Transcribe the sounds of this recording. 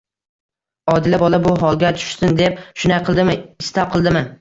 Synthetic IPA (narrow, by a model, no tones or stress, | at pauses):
ɒd̪ɪlabɒlabʊɦɒlˠɡʲat̪ʰʊ̥ʃsɪnd̪ep̚ʃʊnaqʰɨlˠd̪ɪmɪɪst̪ap̚qʰɨlˠd̪ɪmɪ